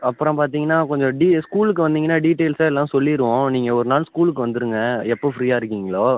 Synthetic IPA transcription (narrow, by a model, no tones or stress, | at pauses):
ɐpːɯɾɔ̃paːɾt̪̬iːŋɡɐnːaːkɔɲd͡ʒɔ̃ɖiskuːlɯkːɯʋɐnd̪iːŋɐnːaːɖiːʈːeːlsaɛlːãːsɔlːɪɪɾɯʋõniːŋɡɐɔɾɯnaːlskuːlɯk̬ːɯʋɐnd̪ɯɾɯŋɡɐɛpːofɾiːjaːɪɾɯkːiːŋɡɐɭoː